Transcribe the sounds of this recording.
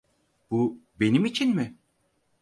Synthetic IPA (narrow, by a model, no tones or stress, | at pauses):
b̥ube̞nimit͡ʃʰinmɪ